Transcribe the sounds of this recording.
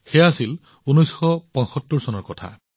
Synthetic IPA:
xeasil | unɔjsxɔpɔ̃nsɔtːuɹsɔnɔɹkɔtʰa̰

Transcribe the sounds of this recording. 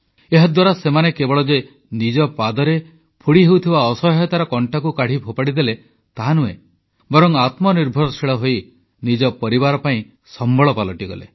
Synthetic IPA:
eɦad̪waɾasemanekebɔɭɔd͡ʒe | nid͡ʒɔpad̪ɔɾe | pʰuɽiɦewt̪ʰibaɔsɔɦɔt̪aɾɔkɔɳʈakukaɽ̤ibʰʱɔpaɽid̪ele | t̪aɦanuḛ | bɔɾɔŋat̪mɔniɾbʱɔɾɔsʰiɭɔɦoj | nid͡ʒɔpɔɾibaɾɔpaĩ | sɔmbɔɭɔpalɔʈiɡɔ̰lḛ

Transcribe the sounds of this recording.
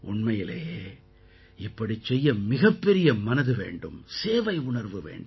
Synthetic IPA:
ʔʊɳmɐjɪleː | ɪpːɐɽit͡ʃːɛjːɐmɪɣɐpːɛɾɪjɐmɐnɐðɯʋḛːɳɖɯmseːʋɐɪʊɳɐɾʋɯʋḛːɳɖ

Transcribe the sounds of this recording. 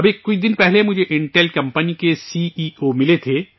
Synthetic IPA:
ɐbekːʊid̪ɪnpɛɦlemʊd͡ʒʱeʔɪ̃ɳʈɛlkɐ̃mpənikesiːiomɪlet̪ʰe

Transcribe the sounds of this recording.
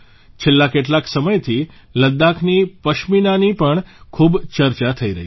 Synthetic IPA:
t͡ʃʰelːakeʈ̬laksəməjt̪ʰi | ləd̪ːakʰnipəʃminanipəɳkʰubt͡ʃəɾt͡ʃat̪ʰəiɾə̰ɦi

